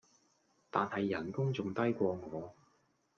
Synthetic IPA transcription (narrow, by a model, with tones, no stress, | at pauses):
t̪aː˨nhɐ˨jːɐ˨˩nkʊ˥ŋt͡sʊ˨ŋt̪ɐ˥jkʷɔː˧ŋɔː˨˧